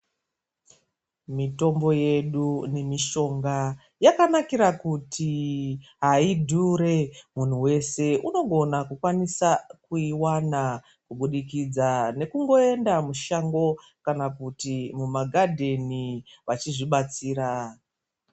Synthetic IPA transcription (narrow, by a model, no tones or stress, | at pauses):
mito̞mbo̞je̞ɗune̞miʃo̞ŋɡa | jakanakiɾakutʰiɦaidʱuɾe̞mun̤uwe̞se̞ʔuno̞ɡʱo̞nakukwanisakuiwana | kuɓuɗikid͡zane̞kuŋɡo̞e̞ndamuʃaŋɡo̞ | kanakutimumaɡʱadʱe̞niʋat͡ʃiʐiɓat͡siːɾa